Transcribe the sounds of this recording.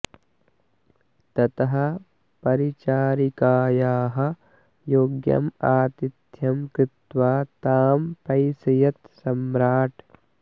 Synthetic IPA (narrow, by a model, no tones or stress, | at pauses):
t̪ɐt̪ɐɦɐ̆ | pɐɾit͡ʃaːɾikaːjaːɦɐ̆ | joːɡjɐ̰maːt̪id̪jɐmkɾɪt̪ʋaːt̪aːmpɐjsɐjɐt̪sɐmɾaːʈ